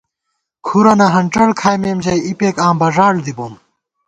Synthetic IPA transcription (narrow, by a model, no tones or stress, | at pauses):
kʰuɾɐnɐɦɐɳʈ͡ʂɐɽkʰaːjmeːmd͡ʑɐjipeːkãːmbɐʐaːɽd̪ibum